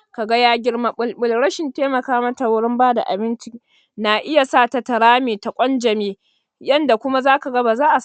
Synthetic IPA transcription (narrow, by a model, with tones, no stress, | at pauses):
ka˨ɡa˦jaː˦ɡʲɪ˦ɽma˦lɓʊ˨lɽɐ˦ʃɪ˨nteː˦mɐ˨kaː˦mɐ˦ta˨wʊ˦ɽɪ˦mbaː˦da̰˨ʔa̰˨bɪ˦nt͡ʃi˦ | na˨ʔɪ˦ja˨saː˦˨ta˨tɐ˨ɽaː˦meː˨ta˨kʷʼɔ˦nd͡ʒɐ˨meː˦ | jɐ˦nda˨kʷʊ˦ma˦zaː˦ka˨ɡa˦baː˨zaː˦ʔa˨s